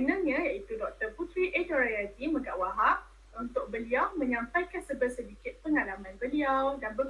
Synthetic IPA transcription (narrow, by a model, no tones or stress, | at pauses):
ənãɲãjait̪udɔk̚t̪əput̪ɾiʔedoɾajat̪imə̃ɡawaɦaʔ | unt̪ʊk̚bəliawmə̃ɲãmpajkansəbərsədikɪt̪̚pəŋalamãnbəliawdanbə